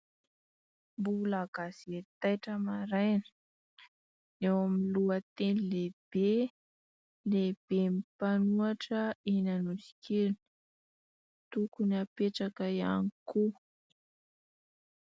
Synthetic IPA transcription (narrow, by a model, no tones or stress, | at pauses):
mbulaɡ̥asiet̪ajʈ͡ʂəmaɾajnə̥ | ewamiiluət̪enileb̥e | leb̥emipanuaʈ͡ʂəenanusi̥kʰeli̥ | t̪ukuniapeʈ͡ʂakaija̰niku